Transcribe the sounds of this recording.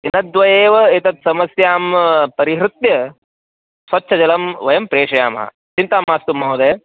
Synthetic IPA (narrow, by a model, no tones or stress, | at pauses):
inɐd̪ʋɐjeːʋɐit̪ɐt̪̚sɐmɐsjaːmpɐɾiɦɾɪt̪jɐ | sʋɐtːʃʰɐd͡ʒɐlɐmʋɐjɐmpɾeːʂɐjaːmɐ̰ɦɐ̰ | t͡ʃint̪aːmːaːst̪umːɐwd̪eː